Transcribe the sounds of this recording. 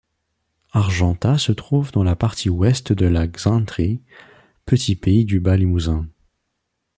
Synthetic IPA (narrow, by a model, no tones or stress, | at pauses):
aʁʒɑ̃t̪asət̪χuvd̪ɑ̃lapaʁt̪ʰiwɛst̪d̪əlaɡzɛ̃t̪ʁi | pət̪ʰipeid̪ybalimuzɛ̃